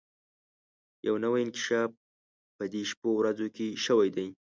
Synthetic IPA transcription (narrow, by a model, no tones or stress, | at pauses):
ja̰wnəwajɪnkɪ̥ʃɑb̚ː | əd̪eʃpowɾazokeʃəwajd̪aj